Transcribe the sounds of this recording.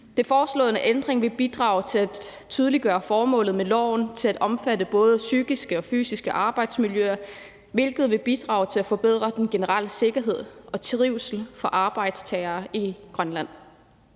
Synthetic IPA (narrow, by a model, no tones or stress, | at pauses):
d̥e̝fɒːslɔ̽ð̩ˠnəʔend̥ʁeŋʋe̝b̥id̥ʁɑ̈ːʊt͡sʰe̝læ̥ | t͡sʰyːðˠəliɡ̥ɶːɐfɒːmɔ̰̽ːlð̞̩ˠmelɒ̰ʊnt͡sʰe̝læd̥ɒ̽mfædəb̥ɔ̽ːð̞ˠəsyːɡ̥isɡ̥əɒ̽fy̰ːsisɡ̥əʔɑ̈ːb̥ɑ̈ɪd̥smiljøɐ | ʋe̝lɡ̥ð̞̩ˠʋe̝b̥id̥ʁɑ̰̈ːʊt͡sʰe̝læfɒ̽b̥e̝ð̞̰ˠʁɐd̥enɡ̥e̝nəʁɑl̰əse̝ɡ̥ɐɦe̝ð̞̰ˠɒ̽t͡sʰʁiʊsl̩fɒ̽ʔɑ̈ːb̥ɑ̈ɪ̰d̥st͡sʰɛːɐːiɡ̥ʁɶnlæn̰